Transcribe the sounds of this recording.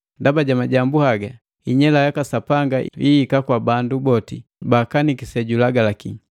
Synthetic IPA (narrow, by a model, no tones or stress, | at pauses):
ndabaɟamaɟambuhaɡa | iɲɛlajakasapaŋɡaʔiikakwabandubɔtibakanikisɛɟulaɡalaki